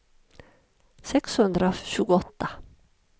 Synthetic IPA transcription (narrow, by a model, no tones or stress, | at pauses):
sɛkshɵnd̪ɾəʃʉːɡʊɔt̪ːə